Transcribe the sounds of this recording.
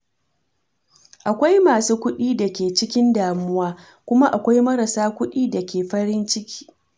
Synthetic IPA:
ʔa˨kʷa˦jmaː˨suː˦kʷʊ˦ɗiː˦dɐ˨kʲeː˨t͡ʃɪ˦kʲɪ˦ndaː˨mʊ˦waː˦ | kʷʊ˦ma˦ʔa˨kʷa˦jmɐ˦ɾa˨saː˦kʷʊ˦ɗiː˦dɐ˨kʲeː˨ɸɐ˦ɾɪ˦nt͡ʃɪ˦kʲʰi̥ː˦

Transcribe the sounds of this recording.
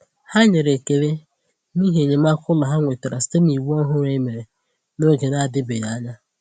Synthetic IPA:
ha˦ɲe˨ɾe˨ke˨ɾe˦ | ni˦ɦe˨ɲe˨m˦a˦kʊ˦lɔ˨ɦa˦ŋʷe˨te˨ɾa˨si̥˦te˦m˦i˨wu˦ɔ˦ɦʊ˦ɾe˦me˨ɾe˨ | no˦ɡe˨na˦˨dɪ˦bɪ˨ja˨˦ɲa˦

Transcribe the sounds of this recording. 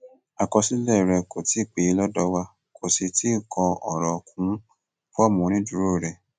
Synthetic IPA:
a˨kɔ˧si˦lɛ˦˨ɾɛ˧ko˨ti˨˦˨k͡pe˨˦˧lɔ˦dɔ˧˦wa˧ | kʰo˨se˧ti˦˨kʰɔ˧ɔ˨ɾɔ˨kʰũ˨˦ | fu˦a˦˨mũ˨˦ñĩ˦du˨˦ɾo˦˨ɾɛ˧˨

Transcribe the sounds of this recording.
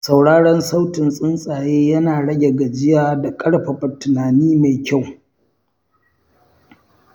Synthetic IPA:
sa˨wɽaː˦ɽɔ˦nsa˦wtɪ˨nsʼɪ˦nsʼaː˨jeː˦jɐ˦naː˨ɽɐ˦ɡʲe˨ɡa˨d͡ʒɪ˦jaː˦da˨kʼɐ˦ɽɸa˨bɐ˨tːʊ˨naː˨niː˦ma˨jkʲa˦˨w

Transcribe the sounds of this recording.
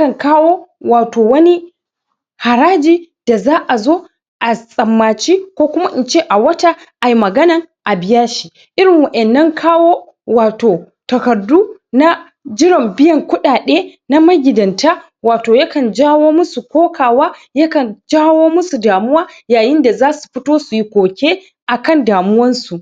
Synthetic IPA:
kɐ˨ŋkaː˦woː˦waː˨toː˨wɐ˦ni˦ | ha˨ɾaː˦d͡ʒiː˦ | d̥a˨zaː˦ʔa˨zoː˦ | ʔa˨sʼɐ˨mːaː˨t͡ʃi˦kʷoː˦kʷʊ˦ma˦ʔɪ˨nt͡ʃeː˦ʔa˨wɐ˦ta˦ʔa˨ji˦mɐ˨ɡɐ˦nɐ˨ŋʔa˨bɪ˦jɐ˦ʃi˨ | ʔɪ˦ɾɪ˨ŋwɐ˨ʔɛ˨nːɐ˦ŋkʰaː˦woː˦ | waː˨toː˨ | tɐ˨kɐ˨dːuː˦ | na˦ | d͡ʒɪ˦ɽɪ˨mbɪ˦jɐ˨ŋkʷʊ˦ɗaː˨ɗeː˦ | na˦mɐ˦ɡʲɪ˨dɐ˨ntaː˦ | waː˨toː˨jɐ˦kɐ˨nd͡ʒaː˦woː˦mʊ˦su˨kʷoː˦kʰaː˨waː˦ | jɐ˦kɐ˨nd͡ʒaː˦woː˦mʊ˦su˨daː˨mʊ˦waː˦jaː˨jɪ˦nda˨zaː˦su̥˨ɸɪ˦toː˦su˨ji˦kʷoː˨kʲeː˦ | ʔa˨kɐ˦˨ndaː˨mʊ˦wɐ˦nsu˨ʔ

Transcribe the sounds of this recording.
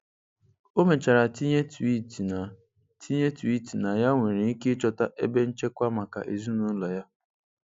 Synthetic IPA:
o˦me˨t͡ʃa˨ɾa˨ti˦ɲe˦ti˦ti˨na˨ | tʰi˦ɲe˦tu˨i˦ti˨na˨ja˦ŋʷe˨ɾe˨i˦ke˦t͡ʃɔ˦ta˦ʔe˦be˦n̩˦t͡ʃe˦kʷa˦ma˨ka̰˨ʔe˨zu˦nu˦lɔ˨ja˦

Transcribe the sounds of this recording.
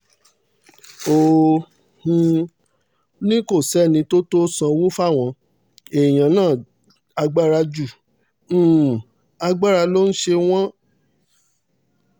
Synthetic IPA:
o˨ | hũ˧ | nĩ˦ko˦˨sɛ˨˦˨nĩ˧to˦to˦sã˧wo˦fa˦˨w̃ɔ̃˨˧ | e˨j̃ã˨˦nãː˦˨ | a˧ɡ͡ba˦ɾa˧d͡ʒũ˦˨˦ | a˧ɡ͡ba˦˨ɾa˧lo˦n̩˦ʃe˧w̃ɔ̃˦

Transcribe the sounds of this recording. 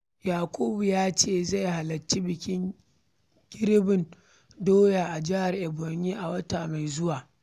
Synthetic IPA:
jaː˨kʷʼuː˦bu˨jaː˦t͡ʃeː˦˨za˦˨jɦa˨lɐ˨t͡ʃːi˦bɪ˨kʲɪ˦ŋ | ɡʲɪ˦ɾbɪ˨n | doː˦ja˨ʔa˨d͡ʒɪ˦ha˨rʔɛ˨bɔ˨ɲji˦ʔa˨wɐ˦taː˨ma˨jzʊ˦waː˨

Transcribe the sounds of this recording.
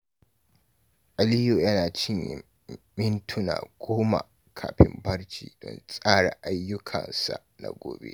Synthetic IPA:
ʔa˨lɪ˦jo˨jɐ˦naː˨t͡ʃɪ˦ɲjɪ˨ | mɪ˦ntʰʊ˦na̰ː˨ɡ̥ʷoː˦ma̰˨ | kʰaː˨ɸɪ˦mbɐ˦ɽt͡ʃḭː˨dɔ̰˦˨nsʼaː˦ɽa˨ʔa˦jːʊ˦kʰɐ˨nsa˨na̰˨ɡʷoː˨bḛ˦ʔ

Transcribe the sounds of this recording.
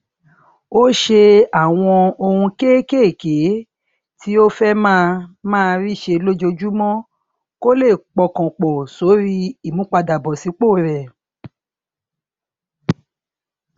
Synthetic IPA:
o˦ʃe˧a˨w̃ɔ̃˧o˧hũ˧ke˦ke˦˨ke˨˦ | ti˦o˦fɛ˦mãː˦˧mãː˦˧ɾi˦˨ʃe˧lo˦d͡ʒo˧d͡ʒu˦mɔ̃˦ | ko˦le˦˨k͡pɔ˧kɔ̃˨k͡pɔ˨so˨˦ɾi˦i˦˨mũ˨˦k͡pa˧da˨bɔ˨si˨˦k͡po˦˨ɾɛ˨

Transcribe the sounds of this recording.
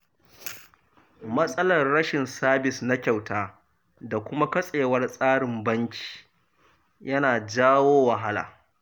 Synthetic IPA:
mɐ˦sʼɐ˦lɐ˨rɽɐ˦ʃɪ˨nsaː˦bɪ˨sna˦kʲa˨wtaː˦ | da˨kʷʊ˦ma˦kɐ˦sʼeː˨wɐ˦rsʼaː˦ɽɪ˨mbɐ˦ŋkʲʰi̥ː˨ | jɐ˦naː˨d͡ʒaː˦woː˦wɐ˨ɦa˦la̰ː˨

